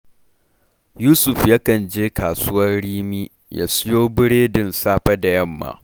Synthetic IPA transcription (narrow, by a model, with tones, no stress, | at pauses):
juː˦sʊ˨ɸja˦kɐ˨nd͡ʒeː˦kaː˨sʊ˦wɐ˦rɽiː˦miː˦ | ja̰ː˦sʊ˦joː˦bɪ˦ɽeː˦dɪ˨nsaː˦ɸa˦da˨jɐ˦˨mːa̰˨